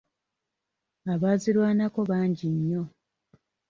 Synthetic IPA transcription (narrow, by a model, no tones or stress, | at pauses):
aβaːziɾwaːnako̞βaːɲɟiɲːo̞